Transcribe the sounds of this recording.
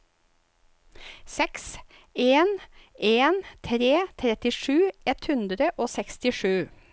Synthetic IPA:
sɛks | eːneːnt̪ʰɾeːt̪ʰɾɛt̪ɪʂʉːɛt̪hʉnd̪ɾəʔoːsɛkst̪ɪʂʉː

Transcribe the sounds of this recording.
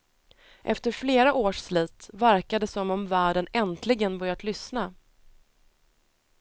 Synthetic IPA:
ʔɛ̰ft̪əɾfleːɾaʔoːʂsliːt̪væɾkad̪əsɔmɔmvæːɖənɛnt̪ʰlɪɡənbœɾjat̪lʏsna

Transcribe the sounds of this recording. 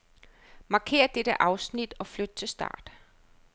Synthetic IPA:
mɑ̈kʰe̝̰ːɐd̥eɾ̥əʔɑ̈ʊsnid̥ɒ̽flød̥̚t͡sʰe̝lsd̥ɑ̰̈ːd̥

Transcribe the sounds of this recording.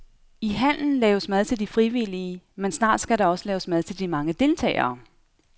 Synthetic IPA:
iɦæn̰n̩lɛːʊəsmæð̞ˠt͡sʰe̝ld̥ifʁiʋiliəmensnɑ̰̈ːd̥sɡ̥æɾɑ̈ɒ̽səlɛːʊəsmæðˠt͡sʰe̝ld̥imɑ̈ŋəd̥e̝lt͡sʰɛ̰ːɪɐː

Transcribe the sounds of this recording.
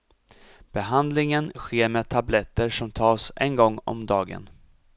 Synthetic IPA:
b̥ɛɦand̪lɪŋənɧeːɾmeːt̪ʰablɛt̪ːəɾʂɔmt̪ʰɑːsʔɛ̰nɡɔŋːɔ̰md̪ɑːɡə̰n

